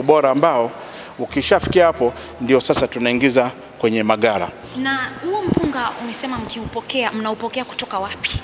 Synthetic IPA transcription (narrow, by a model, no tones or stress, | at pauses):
ɓɔɾaːmbaɔ | ukiʃafi̥kiahapɔ | ndiɔsasatunaiŋɡiza | kwɛɲɛmaɠaɾa̰ | nahuɔm̩puŋɡaʔumɛsɛmam̩kiupɔkɛam̩naupɔkɛaku̥tɔkawapi̥